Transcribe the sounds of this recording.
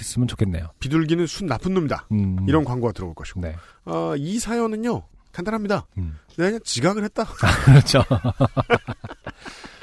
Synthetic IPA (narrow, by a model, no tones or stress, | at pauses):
es͈ɯmjɯnt͡ɕo̥kʰenːe̞jopiduɭɡinɯnsʰunːapʰɯnːomɲida̰iɾʌnkwaŋɡoɡatɯɾʌboɭk͈ʌɕi̥ne̞ | ʌisʰajʌnɯɲjo | tandaɾɦamɲidaneaɲant͡ɕiɡaɡɯɭhet̚t͈akɾʌt͡ɕʰo